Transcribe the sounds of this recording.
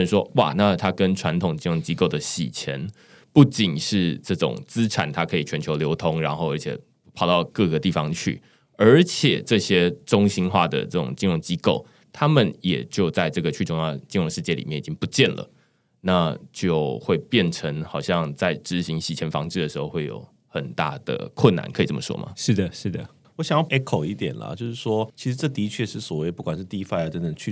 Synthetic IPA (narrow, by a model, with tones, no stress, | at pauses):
nʂwɔ˦wa̰˥˩na˥˨t̪ʰa˥kə˦nʈ͡ʂʰwa˧˥nt̪ʰʊ˨˩ŋt͡ɕi˥ɻo˥˩ŋt͡ɕi˥ko˥˩ʊd̪ə˩ɕḭ˨˩t͡ɕʰjɛ̰˧˥n | pu˥˩t͡ɕi˨˩nʂɻ̩˥˧ʈ͡ʂɤ˥˩ʈ͡ʂʊ̰˨˩ŋt͡sɹ̩˥ʈ͡ʂʰa̰˨˩˦nt̪ʰa˥kʰɤ˧˥i˨˩t͡ɕʰɥɛ˧˥nt͡ɕʰjo˧˥ʊljo˧˥ʊt̪ʰʊ˧˥ŋɻa˧˥nxo˥˧ʊə˞˧˥t͡ɕʰɛ̰˨˩ | pʰɑ˨˩ʊt̪ɑ˥˧ʊkɤ˥˩ɡə˩t̪i˥˩fɑ˨ŋt͡ɕʰy̰˥˩ | ə˞˧˥t͡ɕʰjɛ˨˩ʈ͡ʂɤ˥˩ɕjɛ˥ʈ͡ʂʊ˥ŋɕi˥nxwa̰˥˩d̪ə̰˩ʈ͡ʂɤ˥˩ʈ͡ʂʊ̰˨˩ŋt͡ɕi˥nɻʊ˥˧ŋt͡ɕi˥ko˥˩ʊ | t̪ʰa˥mə˨njɛ˨˩t͡ɕjo˥˧ʊt͡sa˥˧ɪʈ͡ʂɤ˥˩ɡə˩t͡ɕʰy˥˧ʈ͡ʂʊ˥˧ŋjɑ˥˩t͡ɕi˥nɻo˥˧ŋʂɻ̩˥˧t͡ɕjɛ˥˩lḭ˨˩mjɛ˥˩ni˨t͡ɕi˦˥ŋpu˧˦t͡ɕjɛ˥˨˩nlə̰˩ | na˥˧t͡ɕjo˥˧ʊxwe˥˧ɪpjɛ˥˩nʈ͡ʂʰə˧˥ŋxɑ˨˩ʊɕjɑ˥˧ŋt͡sa˥˩ɪʈ͡ʂɻ̩˧˥ɕi˧˥ŋɕi˧˥˩t͡ɕʰjɛ˧˥nfɑ̰˧˥ŋʈ͡ʂɻ̩˥d̪ə˩ʂɻ̩˧˥xo˥˧ʊwe˥˩ɪjo̰˧˥ʊ | xə˨˩nt̪a̰˥˩d̪̥ə̰˩kʰwʊ˥˩nːa̰˧˥nkʰi˨˩t͡sə˥˩mə˨ʂwɔ̰˥mʔɐ̰˨ʂɻ̩˥˩d̪ə˩ʂɻ̩˥˩d̪ə˩ | wɔ˧˥ɕjɑ˨ŋjɑ˥˩ʊʔɛ˥kʰo˨˩ʊi˥˩t̪jɛ̰˨˩nlɐ̰˨˩t͡ɕjo˥˧ʊʂɻ̩˥˩ʂwɔ˥t͡ɕʰi˧˥ʂ̩˧˥ʈ͡ʂɤ˥˩t̪i˧˥t͡ɕʰɥɛ˥˧ʂɻ̩˥˩swɔ˨˩we˥˩ɪpu˥˩kwa˨˩nʂɻ̩˥˧t̪i˥˧i˥fa˥˧ɪa˥˩ʈ͡ʂə˦nd̪ə˨˩t͡ɕʰy˥˧